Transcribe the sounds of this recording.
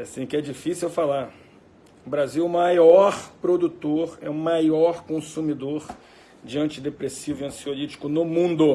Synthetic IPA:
asĩkɪɛd͡ʒifisuwfalaɾ | ʊbɾaziwʊmajɔɾpɾod̪ut̪oɾɛʊmajɔɾkõsumid̪oɾ | d͡ʒiɐ̃nt͡ʃɪd̪epɾesivʊiɐ̃siolit͡ʃi̥kʊnʊmũnd̪ʊ

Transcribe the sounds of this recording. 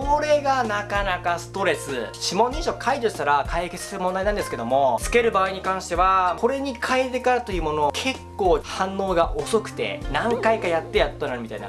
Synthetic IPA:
koɾe̞ɡanakanakasɨ̥t̪o̞ɾe̞sɨɕimõ̞nːẽɕokʰaiʑoɕi̥t̪aɾakʰaiket͡sɨ̥seɾɯmond̪ainand̪esɨ̥ke̞d̪o̞mo̞t͡sɨ̥ke̞ɾɯ̟baːiɲ̟ikãɰ̃ɕi̥t̪e̞βakʰo̞ɾe̞ɲ̟ikʰaet̪e̞kaɾat̪o̞iːmo̞nokʰe̞kːo̞ːhãnːo̞ːɡaʔoso̞kɯ̟̥t̪e̞̰nãŋkaikajat̪ːe̞jat̪ːonaɾɯ̟mʲit̪a̰ina̰

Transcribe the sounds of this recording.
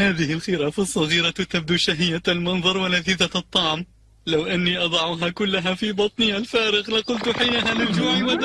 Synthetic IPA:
haːðɪhɪlxɪɾaːfɑsˤːɑɣiːɾat̪ab̚d̪uʃaɦɪjːalmɑnðˤɑɾˤwalaθiðat̪ˤːɑʕm | lawʔanːiʔɑd̪ˤɑʕuɦakʊlːaɦafibɑt̪ˤnɪalfaːɾɪɣlɪqʊlt̪ħɪjnaɦalɪld͡ʒuːmiwad̪

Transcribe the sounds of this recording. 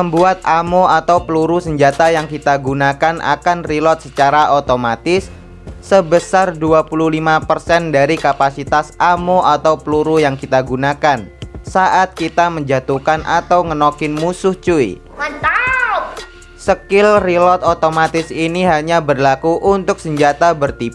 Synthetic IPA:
məmbuat̪̚amoat̪awpəluɾusəɲd͡ʒat̪ajaŋkit̪aɡunakanʔa̰kanrilɔt̪̚sət͡ʃaɾaʔot̪omat̪ɪsː | əbəsarduapululimapərsɛndaɾikapasit̪asʔamoʔat̪awpəluɾujaŋkit̪aɡunakansaʔat̪̚kit̪aməɲd͡ʒat̪ukana̰t̪awŋənokɪnmusʊht͡ʃuḭ | səkɪlrilɔt̪̚ot̪omat̪ɪsiniɦaɲabərlakuʔunt̪ʊk̚səɲd͡ʒat̪abərt̪ip

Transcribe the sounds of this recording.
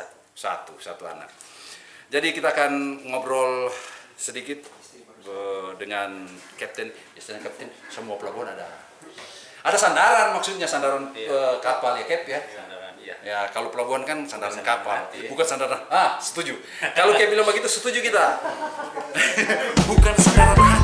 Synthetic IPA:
sa̰t̪usa̰t̪ua̰na̰k̚ | d͡ʒadikit̪aːkanŋɔbɾɔlsədikɪt̪̚ | ədəŋankɛp̚t̪ɪn | jasd̪ənankɛp̚t̪ɪnsəmuapəlaɡuɦanada̰ | adasandaɾanmaksut̪̚ɲasandaɾanəkapaljakɛpja | jakalopəlaɡuɦankansandaɾankapalbukansandaɾaasə̥t̪ud͡ʒu | kalokɛpilambaɡit̪usət̪ud͡ʒukit̪a | bukansandaɾaɾ

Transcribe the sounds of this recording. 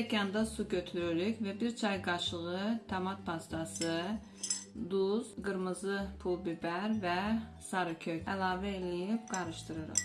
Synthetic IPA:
ɛkʰɑnd̪ɑsuɡøt̪ʰyɾyɾykvɛbiɾt͡ʃʰɑjɡɑʃlˠɯʁɯt̪ʰɛmɑt̪̚pʰɑst̪ʰɑsɯ | d̪uzɡɯɾmɯzɯpʰulˠbibɛɾvɛsɑɾɯkʰøkɛlˠɑːvɛelijipɡɑɾɯʃt̪ʰɯɾɯɾɯ̰χ

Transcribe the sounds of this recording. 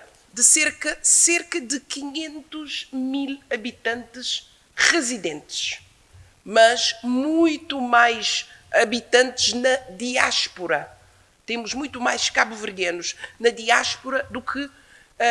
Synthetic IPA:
d̪ɨseɾkɐseɾkɐd̪ɨkiɲẽnt̪uʒmilˠɐβit̪ɐ̃nt̪ɨʃ | ʁɨziðẽnt̪ɨ̥ʃ | mɐʃmũj̃t̪umajʃɐβit̪ɐ̃nt̪ɨʒnɐðiaʃpuɾɐ | t̪emuʒmũj̃t̪umajʃkaβuvɨɾɡenuʃnɐðiaʃpuɾɐd̪ukʰɨ

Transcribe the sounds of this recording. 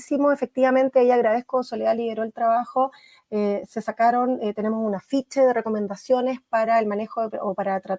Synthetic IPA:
simoefe̞k̚t̪iβamẽ̞nt̪eeʝaːɣɾað̞ehkosolealiðeɾoelt̪ɾaβaxo | ese̞sakaɾo̞net̪e̞ne̞mosunafit͡ʃeðere̞ko̞me̞nd̪asjo̞ne̞spaɾaelmanexoeopaɾat̪ɾa

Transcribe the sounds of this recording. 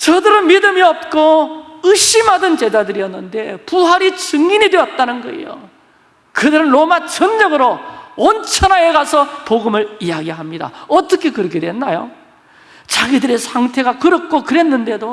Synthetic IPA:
t͡ɕʌdɯɾɯnmidɯmiʌp̚k͈oɯɕ͈imɦadɯnt͡ɕe̞dadɯɾiʌnːɯnde̞puɦaɾit͡ɕɯŋinidwe̞ʌt̚t͈anɯnɡʌ̰ḭjo̰ | kɯdɯɾɯnɾomat͡ɕʌɲːʌɡɯɾoʌnt͡ɕʰʌnaeɡasʰʌpoɡɯmɯɾiaɡiɦamɲida̰ʌt͈ʌkʰe̞kɯɾʌkʰedwenːajo | t͡ɕaɡidɯɾe̞sʰaŋtʰe̞ɡakɯɾʌk͈ʰokɯɾe̞nːɯnde̞do

